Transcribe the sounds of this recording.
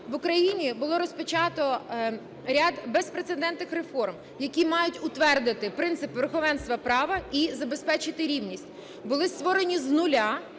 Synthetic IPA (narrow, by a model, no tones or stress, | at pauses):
ʋʊkɾɐjinʲibʊlˠɔɾɔspɔt͡ʃɑt̪ɔ | ɾʲad̪bespɾet̪sed̪ɛnt̪nɪxrefɔrm | jɐkʲimɑjʊtʲʊt̪ʋɛrd̪ɪt̪ɪpɾɪnt̪sɪpʋeɾxɔʋɛnst̪ʋɐpɾɑʋɐizɐbe̞spɛt͡ʃɪt̪ɪɾʲiwnʲisʲtʲ | bʊlˠɪst̪ʋɔɾe̞nʲiznʊlʲa